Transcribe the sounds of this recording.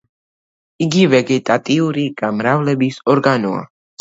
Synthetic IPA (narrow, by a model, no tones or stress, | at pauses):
iɡivɛɡɛt̪ʼat̪ʼiuɾiɡ̥amɾavlɛbisɔɾɡanɔa̰